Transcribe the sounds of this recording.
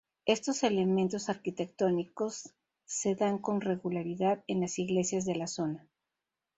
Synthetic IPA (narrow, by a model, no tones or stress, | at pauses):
e̞st̪o̞se̞le̞mẽnt̪o̞saɾkit̪e̞k̚t̪o̞niko̞sː | e̞ðaŋko̞nre̞ɣulaɾiðaðe̞nlasiɣle̞sjazðe̞laso̞na